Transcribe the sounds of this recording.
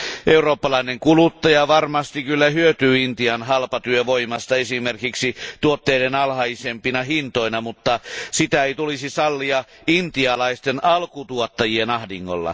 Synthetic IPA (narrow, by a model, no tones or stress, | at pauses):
ʔeuroːpːɑlɑineŋkulut̪ːɑjɑʋɑrmɑst̪ikylːæhyøt̪yːint̪iɑnɦɑlpɑt̪yøʋoimɑst̪ɑesimerkiksit̪uot̪ːeidenɑlhɑisempinɑhint̪oinɑmut̪ːɑsit̪æeit̪ulisisɑlːiɑ | int̪iɑlɑist̪enɑlkut̪uot̪ːɑjienɑhdiŋːo̰lːɑ̰